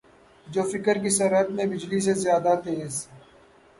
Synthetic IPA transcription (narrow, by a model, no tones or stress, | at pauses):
d͡ʒoːfɪkəɾk̬isɐɾɦət̪mẽbɪd͡ʒlis̬ezjaːd̪at̪eːz